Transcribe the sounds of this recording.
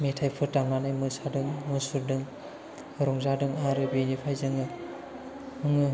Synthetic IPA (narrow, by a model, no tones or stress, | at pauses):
metʰajpʰɯɾtaŋanajmɯsadɯŋmɯsuɾdɯŋ | ɾɔŋzadɯŋaɾɯbenipʰajzɯŋɯ | ɯŋɯ